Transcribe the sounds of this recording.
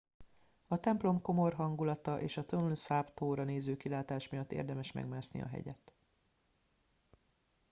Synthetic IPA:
ɒt̪ɛmplo̞mko̞mo̞rɦɒŋɡulɒt̪ɒʔeːʃɒt̪onulsapt̪oːɾɒneːzøːkilaːt̪aːʃmijɒt̪ːḛːrd̪ɛmɛʃmɛ̰ɡmaːsnḭɒ̰ɦɛ̰ɟɛ̰t̪

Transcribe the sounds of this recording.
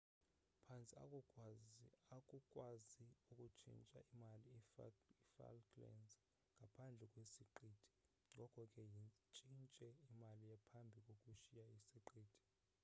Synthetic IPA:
pʰant͡sʼia̰ | akʼukʼwaziukʼut͡ʃʰʼḭnt͡ʃʼa̰ʔimaliifa̰lkʰʼlɛ̰nz | ŋɡʱapʰand͡ɮʱɛkʼwesiǃiːtʰi̥ | ŋɡʱɔkʰʼɔkʼɛjit͡ʃʼint͡ʃʼɛimalijapʰambʱikʼokʼuʃijaisiǃiːtʰi̥

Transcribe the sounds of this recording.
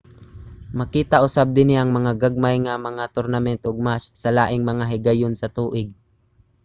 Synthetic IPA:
mɐkiːt̪aʔʊsab̚d̪ɪniʔɐŋmɐŋaɡaɡ̚majŋamɐŋat̪ʊɾnamɛnt̪ʔoɡ̚massɐlaːʔɪŋmɐŋaɦɪɡajonsɐt̪uːʔɪɡ̚

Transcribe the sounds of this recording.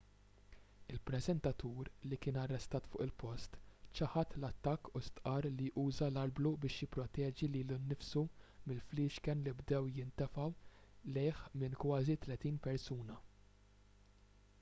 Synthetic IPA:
ɪlpɾɛzɛnt̪ɐt̪uːɾlikɪːnɐrːɛst̪ɐːt̪fʊːʔɪlpɔst̪t͡ʃɐħɐt̪lɐt̪ːɐkːust̪ʔɐːɾliʔuːzɐlɐlblubɪːʃjɪpːɾɔt̪ɛːd͡ʒiliːlunːɪfsumɪlfliːʃkɛnlibd̪ɛwjɪnt̪ɛfɐwlɛjħmɪnkwɐːzit̪lɛt̪iːnpɛɾsuːnɐ

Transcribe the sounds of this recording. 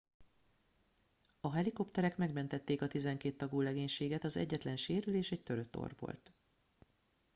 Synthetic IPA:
ɒɦɛliko̞pt̪ɛɾɛkmɛɡmɛnt̪ɛt̪ːeːkɒt̪izɛŋkeːt̪ːɒɡoːlɛɡeːɲʃeːɡɛt̪ɒzɛ̰ɟːɛt̪lɛnʃeːɾyleːʃɛc̚t̪ø̞ɾø̞t̪ːo̞̰rʋo̞̰lt̪

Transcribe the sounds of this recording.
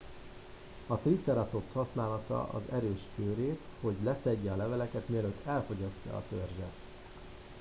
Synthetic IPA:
ɒt̪rit̪sɛɾɒt̪o̞pshɒsnaːlɒt̪ɒ̰ʔɒ̰zɛɾøːʃt͡ʃøːɾeːt̪ho̞ɟlɛsɛɟːɛɒlɛvɛlɛkɛt̪miɛløt̪ʰːɛlfo̞ɟɒscɒ̰ːt̪ø̞rʒɛt̪

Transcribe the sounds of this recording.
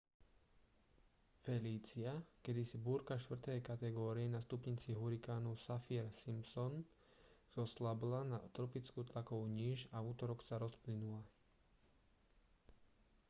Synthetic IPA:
fɛliːt͡siakɛd̪isibuːɾkaʃt̪ʋr̩t̪ɛjkat̪ɛɡɔːɾiɛnast̪upɲiːt͡siɦuɾikaːnusafiɛɾsimpsɔn | z̥ɔslablanat̪ɾɔpit͡skuːt̪lakɔʊɲiʒauːt̪ɔɾɔksaɾɔsplinula

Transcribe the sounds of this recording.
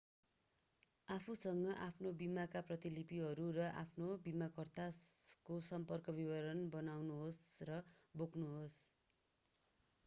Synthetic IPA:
apʰusʌŋɡʌʔapʰnobimakaprʌt̪ilipiɦʌɾurʌʔa̰pʰnobimakʌrt̪akosʌmpʌrkʌbibʌɾʌnbʌnawnuɦosrʌboknuɦos

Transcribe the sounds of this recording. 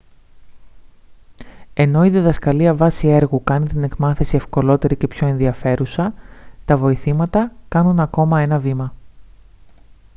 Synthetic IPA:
e̞no̞iðiðɐskɐliɐvɐsie̞ɾɣukɐnit̪ine̞kmɐθe̞sie̞fko̞lo̞t̪e̞ɾice̞pço̞e̞nðiɐfe̞ɾusɐt̪ɐvo̞iθimɐt̪ɐkɐnunɐko̞mɐe̞nɐvimɐ

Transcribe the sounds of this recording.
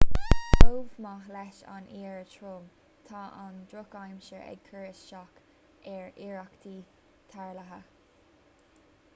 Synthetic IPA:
oːvmahlɛʃa̰niːɹətʰɹoːm | t̪ʰaʔand̪ɹʊkajmʃəʔɛ̰ɡ̚kʰəɹɪsʃɑk | ʔɛɹiɹakt̪ʰiː | t̪ʰaɹlaɦə

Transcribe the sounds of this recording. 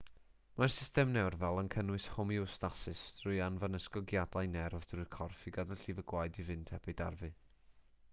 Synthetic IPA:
marsɪstɛmnɛwrvɛlˠənkʰənwɨshʊmiʊstasɨsd̥rʊɨanvanəskɔɡjadajnɛrvd̥rʊjrkʰɔrfiɡadaɬivəɡwajdivɨntʰɛbɨda̰rvɨ

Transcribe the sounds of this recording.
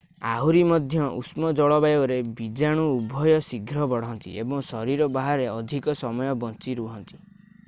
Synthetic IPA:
aɦuɾimɔd̪ʱjɔʔṵsmɔd͡ʒɔɭɔbajbɔɾebid͡ʒaɽ̃uːbʱɔjɔsiɡʱɾɔbɔɽ̤ɔnt̪ḭʔebɔŋsɔɾiɾɔbaɦaɾeɔd̪ʱikɔsɔmɔjɔbɔnt͡ʃiɾuɦɔnt̪i̥

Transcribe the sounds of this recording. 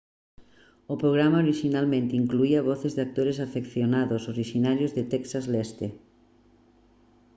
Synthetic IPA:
opɾoɣ̞ɾamaoɾiʃinalmẽnt̪eiŋkluiaβ̞ɔθezðeak̚t̪oɾesafekθjonaðosoɾiʃinaɾjozðet̪ɛksazlɛst̪e

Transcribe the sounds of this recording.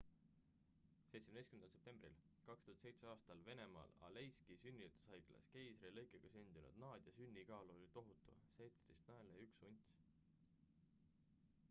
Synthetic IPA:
se̞jt̪semnejskymenɑlsep̪̚e̞mbrḭl | kɑkst̪uhɑt̪se̞jt̪se̞ɑːst̪ɑlve̞nemɑ̰ːlɑ̰lejskisynʲːit̪ˑu̥shɑjɡlɑ̰ske̞jsrelɤjkˑeɡ̥ɑsynʲd̪̥inṵd̪̥nɑːd̪̥jɑsynʲːikɑːlolʲit̪o̞ɦut̪ːˑṵsejt̪sɾḭst̪næeleyksunʲt̪sʲ

